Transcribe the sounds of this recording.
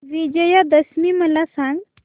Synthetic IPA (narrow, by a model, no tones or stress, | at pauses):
ʋid͡ʑəjad̪əsmiːməlasãŋɡ